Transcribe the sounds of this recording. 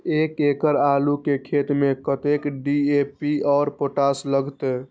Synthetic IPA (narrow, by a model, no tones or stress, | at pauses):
ekekəɾalukekʰet̪mekət̪ekɖiepiɔːɾpoʈasləɡʱt̪e